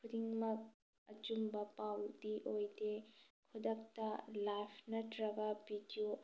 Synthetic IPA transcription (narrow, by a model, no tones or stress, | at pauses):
kʰudiŋmɐk̚ | ɐt͡ʃumbɐpawdiʔojdekʰudɐk̚tɐlapʰnɐtɾɐɡɐbidio